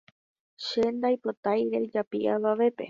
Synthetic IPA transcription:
ʃe̞nd̪ajpo̞t̪ajɾe̞d͡ʒapḭʔaʋaʋe̞pe̞̰

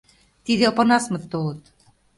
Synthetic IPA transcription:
t̪iðeopɤ̆nɑsmɤ̆t̪ːolɤ̆t̪

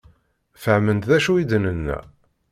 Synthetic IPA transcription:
fəʕmənd̪ðæʃuid̪nənːæ̰

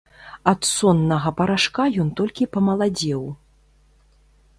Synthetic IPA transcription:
ɐt̪sɔnːɐɣɐpɐɾaʂkajɔnt̪ɔlʲkʲipɐmɐlˠad͡zʲɛw

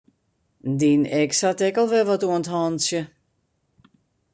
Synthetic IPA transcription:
ndinɛksatɛkɔlˠʋɛʋɔtuənthɔnsjə

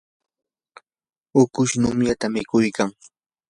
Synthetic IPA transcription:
ʊkʊʃnʊmjat̪amɪkʊjkaŋ

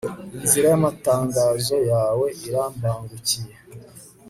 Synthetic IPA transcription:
inziɾajamataːŋɡaːzo̞jaːwe̞ʔiɾaːmbaːŋɡucije

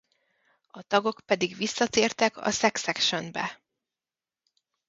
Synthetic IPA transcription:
ɒt̪ɒɡo̞kpɛd̪iɡʋisːɒt̪eːrt̪ɛkɒ̰sɛksɛkʃønbɛ̰

